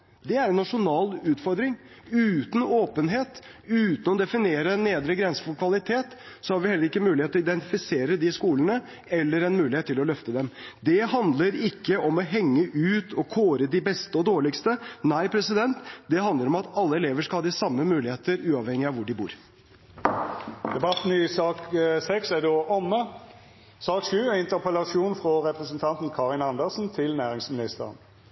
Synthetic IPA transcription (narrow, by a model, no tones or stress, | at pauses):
d̪ɛæɾɛnːɑʂʊnɑːlʉːt̪fɔɾd̪ɾɪŋ | ʉːt̪n̩oːpənɦeːt̪ | ʉːt̪n̩ɔd̪ɛfɪneːɾəneːd̪ɾəɡɾɛnsəfʊlkʰʋɑlɪt̪ʰeːt̪ | sɔhɑɾʋɪhɛləɾɪkːəmʉːlɪheːt̪ːɔɪd̪ɛnt̪ɪfɪseːɾəd̪ɪskuːlənə | ɛlːəɾɛnmʉːɪhet̪ʰːɪlɔlœft̪əd̪ɛmd̪ɛɦɑnd̪ləɾɪkːəʔɔmɔɦɛŋːəʔʉːt̪ʰɔkʰoːɾəd̪ɪbɛst̪əɔd̪oːɭɪkst̪ənæɪpʰɾɛsɪd̪ɛnt̪d̪ɛɦɑnd̪ləɾɔmɑt̪ɑlːəɛleːʋəʂkɑlhɑːd̪ɪsɑmːəmʉːlɪheːt̪əɾʉːɑʋhɛŋːɪɑʋʊɖɪbṵːɾ | d̪̥ɛbɑt̪n̩ɪsɑːksɛksæd̪oːʔɔmːə | sɑːkʂʉːɛɪnt̪əʁpəlɑʃuːnfʁɔʁɛpʁɛsənt̪ʰɑnt̪n̩kʰɑːʁɪnɑnd̪əʁsn̩t̪ʰɪlnæːʁɪŋsmɪnɪst̪əʁə̰n